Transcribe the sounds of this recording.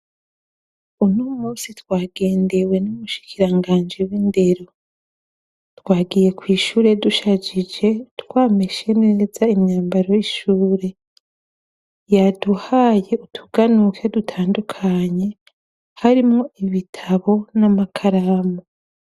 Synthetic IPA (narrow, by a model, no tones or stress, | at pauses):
unuːmuːnsitwaːɡe̞ːnde̞we̞nuβuʃi̥kʰiɾaŋɡaːnd͡ʒiwinde̞ɾo̞ | twaːɡije̞kwiːʃuːɾe̞duʃad͡ʒid͡ʒe̞tkwaːmeʃenezaimɲaːmbaɾojiʃuːɾe̞ | jaduhaːje̞utʰuɡanukʰedutʰaːndukʰaɲe̞ | haɾimŋoiβitʰaβo̞namakʰaɾamo